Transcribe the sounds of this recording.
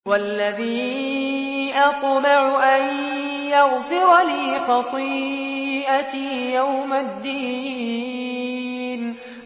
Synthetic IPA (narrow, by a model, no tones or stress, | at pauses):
walːaðiː | ʔɑt̪bɪʕʊʔaj | jɑɣfɪɾliːfɑt̪ˤiː | ʔat̪ːjawmad̪ːiː | n